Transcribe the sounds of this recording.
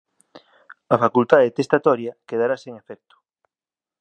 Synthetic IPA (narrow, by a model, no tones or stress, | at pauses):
ɐfakult̪aðet̪est̪at̪ɔɾjɐkeðaɾaseŋefɛk̚t̪ʊ̥